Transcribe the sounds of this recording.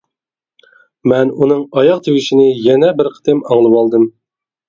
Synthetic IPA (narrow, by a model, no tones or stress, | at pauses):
mɛnunɨŋɑjɑq̚t̪ʰewɪʃinɪjɛnɛbɪɾqʰə̥t̪ʰɪmɑŋlˠɨwɑlˠd̪ɨm